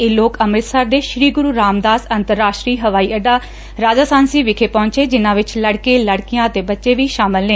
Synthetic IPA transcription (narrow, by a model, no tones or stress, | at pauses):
eːloːkəmɾɪt̪saːɾd̪eːʃɾiːɡʊɾuːɾaːmd̪aːsənt̪əɾːaːʃʈɾiːɦəʋaːiːəɖaː | ɾaːd͡ʒaːsaːnsiːʋɪkʰeːpɔ̃ːɲt͡ʃeːd͡ʒɪnãːʋɪt͡ʃləɽkeːləɽkijãːət̪eːbətːʃeːʋiːʃaːmɪlːẽː